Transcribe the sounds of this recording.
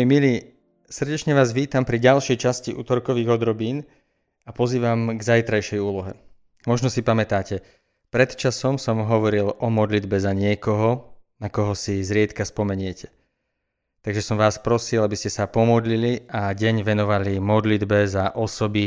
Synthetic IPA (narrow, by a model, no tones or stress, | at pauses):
miliː | sr̩ɟɛt͡ʃɲɛʋaːzʋiːt̪ampɾiɟalʃɛjt͡ʃasciʔṵːt̪ɔɾkɔʋiːɣɔd̪ɾɔbiːn | apɔziːʋamɡzajt̪ɾajʃɛjuːlɔɦɛ | mɔʒnɔsipamɛt̪aːcɛ | pɾɛt̪t͡ʃasɔmsɔmɦɔʋɔɾilʔɔmɔd̪lid̪bɛzaɲɪɛkɔɦɔnakɔɦɔsizɾɪɛt̪kaspɔmɛɲɪɛcʰɛ̥ | t̪aɡʒɛsɔmʋaːspɾɔsilˠabiscɛsapɔmɔd̪liliaɟɛɲʋɛnɔʋalimɔd̪lid̪bɛzaʔɔsɔbi